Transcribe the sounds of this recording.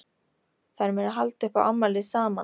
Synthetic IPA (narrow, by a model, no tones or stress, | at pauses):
θaɾmɛnaɦalt̪ʏhpaʔa̰mːalɪsaːma